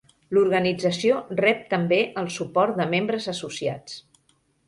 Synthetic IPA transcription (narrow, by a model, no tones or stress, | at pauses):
luɾɣənid͡zəsiorɛp̚t̪əmbeʔəlˠsupɔɾt̪̚d̪əmembɾəzəsusia̰t͡s